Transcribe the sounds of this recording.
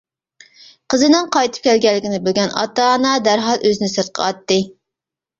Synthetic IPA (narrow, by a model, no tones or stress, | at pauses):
qʰəzɨnɨŋqʰɑjt̪ʰɨ̥p̚kʲɛlɡʲɛlːɪkʲinɪbylɡʲɛnɑ̰t̪ɑnɑd̪æɾɦɑlˠʔøzɪnɪsɨɾt̪̚qʰə̰ɑt̪ːɨ